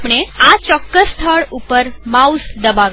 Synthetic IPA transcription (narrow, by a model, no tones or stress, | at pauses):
pɽ̃eat͡ʃɔkːəsːt̪ʰəɭupəɾmausd̪əbaʋ